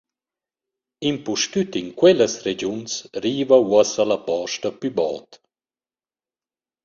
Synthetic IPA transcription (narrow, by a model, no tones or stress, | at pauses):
impuʃtyt̪iŋkwɛləsɾed͡ʒunsɾiːvawɔsalapɔʃtapybɔ̰ːt̪